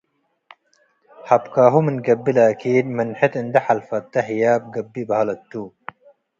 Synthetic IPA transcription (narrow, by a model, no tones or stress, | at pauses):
hɐpkaːɦuminɡɐbːilaːkʰiːnmɐnħet̪ind̪ɐħɐlfɐt̪ːɐɦijaːb̚ɡɐbːibɐɐlɐt̪ːu